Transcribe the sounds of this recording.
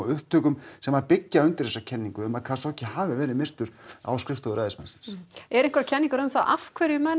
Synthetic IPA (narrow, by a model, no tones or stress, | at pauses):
ʏhp̚t̪ʰœːkʏmsɛmaɾpɪcːaʏnt̪ɪɾ̥ðɛsːacʰɛnːiŋkʏʏmaðkʰasɔhcɪhaːvɪvɛːɾɪðmɪr̥t̪ʏɾ̥a̰wskɾɪft̪ɔðʏɾaːjðɪsmansɪ̥nsɛɾɪŋkʰvɾcʰɛnːiŋkʏɾʏmθaʔa̰fkʰvɛɾjʏmɛn